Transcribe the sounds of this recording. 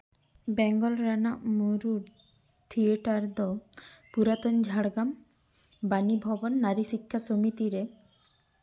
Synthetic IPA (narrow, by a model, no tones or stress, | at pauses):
bɛŋɡɔlɾanaʔmuɾuɖ | t̪ʰieʈaɾd̪ɔpuɾat̪ɔnd͡ʒʱaɽɡam | banibʱɔbɔnːaɾisikʰːasomit̪iɾe